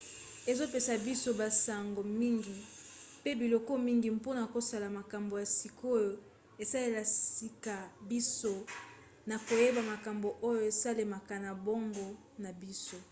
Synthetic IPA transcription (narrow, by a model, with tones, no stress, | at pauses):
e˨zo˦pe˨sa˨bi˦so˦ba˨sa˨ŋɡo˨mi˦ŋɡi˨pe˦bi˨lo˨ko˦mi˦ŋɡi˨mpo˦na˨ko˨sa˨la˨ma˨ka˨mbo˨ja˨si˨ko˦jo˨ | e˨sa˦le˦la˨si˨ka˨bi˦so˦ | na˨ko˨je˦ba˨ma˨ka˨mbo˨ʔo˦jo˨e˨sa˦le˨ma˨ka˨na˨bo˦ŋɡo˦ | na˨bi˦so˦